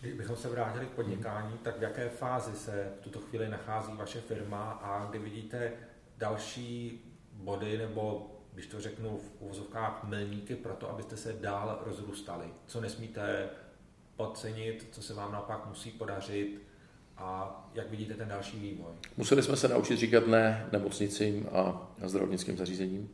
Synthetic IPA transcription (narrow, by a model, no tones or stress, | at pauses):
ɡdɪʒbɪxo̞msɛvɾaːcɪlɪk̚po̞dɲɪkaːɲiːt̪akvjakɛːfaːzɪsɛft̪ut̪o̞xviːlɪnaxaːziːvaʃɛfɪɾmaʔaɡdɪvɪɟiːt̪ɛ | dalʃiː | bo̞dɪnɛbo̞ɡdɪʃt̪orɛknufʔuvozofkaːxmɪlɲiːkɪpɾo̞t̪oʔa̰bɪst̪ɛsɛdaːlɾʔo̞zɾuːst̪alɪt͡so̞nɛsmiːt̪ɛ | ʔo̞t̪̚t͡sɛɲɪt̪t͡sosɛvaːmnaopakmusiːpo̞dar̝ɪt̪ | ʔajakvɪɟiːt̪ɛt̪ɛndalʃiːviːvo̞jmusɛlɪsmɛsɛna̰ʔut͡ʃɪt̪riːkat̪nɛnɛmot͡sɲɪt͡siːma̰zd̪ɾavo̰ɲɪt͡skḭːmzaɾriːzɛɲiːm